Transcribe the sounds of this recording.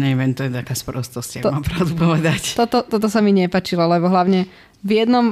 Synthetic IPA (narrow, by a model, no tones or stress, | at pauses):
ɲɛʋɛnt̪ɔjɛt̪akaːspɔɾɔst̪ɔscaɡt̪mamɔpɾaʊd̪upɔʋɛd̪act̪ɔt̪ɔt̪ɔt̪ɔsamiɲɛpaːt͡ʃilɔlɛbɔɦlaʊɲɛ | vjɛd̪nɔm